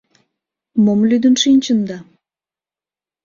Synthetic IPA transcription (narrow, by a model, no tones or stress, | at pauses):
momlyd̪ənʃinʲt͡ɕənd̪ɑ